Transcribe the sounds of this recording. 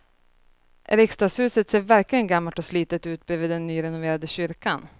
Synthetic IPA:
ɾɪkst̪ɑːshʉ̟ːsət̪seːɾvæɾklɪɡənɡamːaʈɔsliːt̪ət̪ʉ̟ːt̪̚bɾeːvɪːd̪ːɛnːyːɾɛnʊveːɾad̪əɕʏɾkan

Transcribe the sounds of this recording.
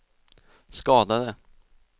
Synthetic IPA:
skɑːd̪ad̪ə

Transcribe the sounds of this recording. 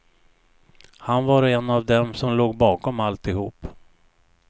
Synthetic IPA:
hanvaɾɛnːavd̪ɛmsɔmloːɡbɑːkɔmalt̪ɪhuːp

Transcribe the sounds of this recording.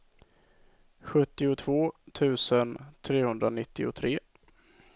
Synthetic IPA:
ɧɵt̪ːɪʊt̪ʰvoːt̪ʰʉ̟ːsənt̪ʰɾeːhɵnd̪ɾanɪt̪ːɪ̰ʊ̰t̪ʰɾeː

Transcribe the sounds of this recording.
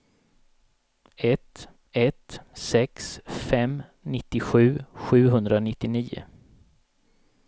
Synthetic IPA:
ɛt̪ | ɛt̪sɛksfɛmnɪt̪ːɪɧʉ̟ːɧʉ̟ːɦɵnd̪ɾanɪt̪ːɪniːʊ̰

